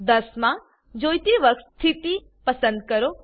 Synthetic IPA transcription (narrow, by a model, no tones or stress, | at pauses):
d̪əsmã | d͡ʒojt̪iʋəkst̪ʰit̪i | pəsə̃nd̪̚kəɾo